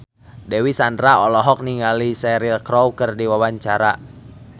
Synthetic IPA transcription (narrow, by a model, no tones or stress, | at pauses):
dɛwisandɾaɔlɔɦɔk̚niŋalisɛɾilkɾɔwkərdiwawaɲt͡ʃaɾa